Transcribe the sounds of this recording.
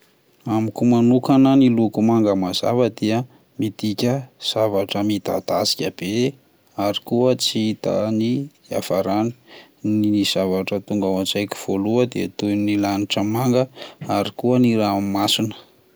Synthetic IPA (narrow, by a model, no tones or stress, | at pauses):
amikumanukananilukumaŋɡəmaz̥a̰vəd̪eə | mit̪ikʲəz̥avaʈ͡ʂəmid̪a̰d̪asi̥kʲəb̥e | aɾikuət͡siit̪a̰ni | a̰faɾani̥ | niiz̥avaʈ͡ʂət̪uŋɡawand͡ʒajkʲi̥v̥oluəd̪et̪ujnilaniʈ͡ʂəmaŋɡəaɾikuəniɾamimasinə̥